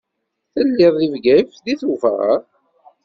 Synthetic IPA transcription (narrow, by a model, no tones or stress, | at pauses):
θəlːɪðˤivɡæjfðiθufʁa̰